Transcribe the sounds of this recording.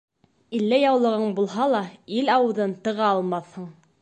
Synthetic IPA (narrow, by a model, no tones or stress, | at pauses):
ilːæjɑwlˠɤ̆ʁɤɴbulˠɦɑlˠɑilɑwɤ̆ðɤnt̪ɤ̆ʁɑɑlˠmɑθhɤɴ